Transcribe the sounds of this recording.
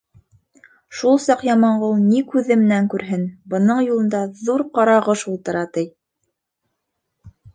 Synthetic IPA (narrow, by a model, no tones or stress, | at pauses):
ʃulˠsɑqjɑmɑɴʁɤwnikʉðɘmɘ̆næŋkʉɾɦɘnbɤ̆nɤɴjulˠɤ̆nd̪ɑðuɾqɑɾɑʁɤʃulˠt̪ɤ̆ɾɑt̪ɘj